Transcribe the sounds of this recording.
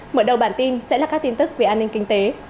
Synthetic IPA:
məː˧˩ɗə˨˩wɓaː˧˩nt̪i˧nsɛ̰˧˥laː˨˩kaː˦˥k̚t̪i˧nt̪ɨ˦˥k̚ve˨˩ʔaː˧nï˧ŋ̟kï˧ŋ̟t̪e˨˦

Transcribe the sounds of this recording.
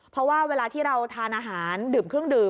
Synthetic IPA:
ppʰɾɔ˦˥waː˥˩weː˧laː˧t̪ʰiː˥˩ɾa˧wt̪ʰaː˧nʔaː˧ɦaː˩˦ndɯː˨˩mkʰɾɯ˥˩əŋdɯː˨˩

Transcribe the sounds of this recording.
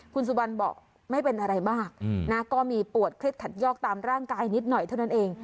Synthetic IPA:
kʰu˧nsu˨˩wa˧nbɔ̰ː˨˩k̚ | ma˥˩jpe˧nʔa˧ɾa˧jbaː˥˩k̚na˦˥kɔː˥˩miː˧pu˨˩ət̪̚kʰɾe˦˥t̪̚kʰa˨˩t̪̚jɔː˥˩k̚t̪aː˧mɾaː˥˩ŋkaː˧jni˦˥t̪̚nɔ˨˩jt̪ʰa˥˩wna˦˥nʔeː˧ŋ

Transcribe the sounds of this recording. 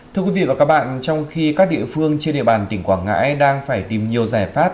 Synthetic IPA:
t̪ʰɨ˧əkwi˨˦ḭ˧˨vaː˨˩kaː˦˥k̚ɓa̰ː˧˨nt͡ɕɔ˧wŋ͡mxi˧kaː˦˥k̚ɗḭ˧˨əfɨ˧əŋt͡ɕe˧nɗḭ˧˨ɓaː˨˩nt̪ï˧˩ŋ̟kwaː˧˩ŋa̰ː˧˥jɗaː˧ŋfaː˧˩jt̪i˨˩mɲi˨˩əwzaː˧˩jfaː˦˥p̚

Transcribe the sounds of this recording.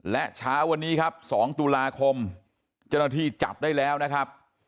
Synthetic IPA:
lɛ˦˥t͡ɕʰaː˦˥wa˧nːiː˦˥kʰa˦˥p̚sɔː˩˦ŋt̪u˧laː˧kʰo˧m | t͡ɕa˥˩wna˥˩t̪ʰiː˥˩t͡ɕa̰˨˩p̚daː˥˩jlɛː˦˥wna˦˥kʰa˦˥p̚

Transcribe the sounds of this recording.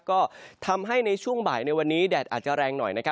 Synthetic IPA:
kɔː˥˩t̪ʰa˧mɦa˥˩jna˧jt͡ɕʰu˥˩əŋbaː˨˩jna˧jwa˧nːiː˦˥dɛː˨˩t̪̚ʔaː˨˩t̚t͡ɕa˨˩ɾɛː˧ŋnɔ̰˨˩jna˦˥kʰa˦˥

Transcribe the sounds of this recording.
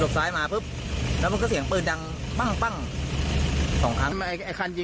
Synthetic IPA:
lo˨˩k̚saː˦˥jmaː˧pʰɯ˦˥p̚ | lɛ˧˦˥mo˧nkɔː˦˥˩si˩˦əŋpɯː˧nda˧ŋ | k͡pa˥˩ŋk͡pa˥˩ŋ | sɔː˩˦ŋʔaː˧˥ŋ˧n˧a˧˩a˧˩kʰa˧˨nji˧

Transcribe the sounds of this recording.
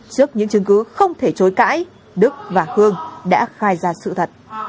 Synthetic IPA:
t͡ɕɨ˦˥ək̚ɲɨ̰˧˥ŋt͡ɕɨ˨˦əŋkɨ˨˦xə˧wŋ͡mt̪ʰe˧˩t͡ɕo˨˦jka̰ː˧˥j | ɗɨ˦˥k̚vaː˨˩hɨ˧əŋɗa̰ː˧˥xaː˧jzaː˧˩sɨ̰˧˨t̪ʰə˨˩t̚

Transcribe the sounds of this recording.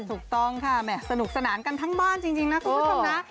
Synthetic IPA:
t̪ʰu˨˩k̚t̪ɔ˥˩ŋkʰa˥˩mɛː˨˩sa˧nu˨˩k̚sa˧naː˩˦nka˧nt̪ʰa˦˥ŋbaː˥˩nt͡ɕi˧ŋt͡ɕi˧ŋna˦˥k̪ʰːa˩˥˩na˦˥

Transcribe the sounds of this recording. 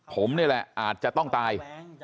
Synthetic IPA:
pʰo˩˦mni˥˩əlɛ˨˩ʔaː˨˩t̪̚t͡ɕa˨ʔt̪ɔ˥˩ŋt̪aː˧j

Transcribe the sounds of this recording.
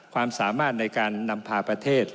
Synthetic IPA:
kʰwaː˧msaː˩˦maː˥˩t̪̚na˧jkaː˧nːa˧mpʰaː˧pɾa˧t̪ʰeː˥˩t̪̚

